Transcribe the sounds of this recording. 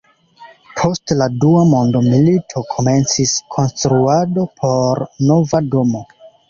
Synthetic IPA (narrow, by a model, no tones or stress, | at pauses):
pʰo̞stladuamo̞ndo̞militʰo̞kʰo̞me̞nt͡siskʰo̞nstɾuado̞pʰo̞ɾno̞vado̞mo̞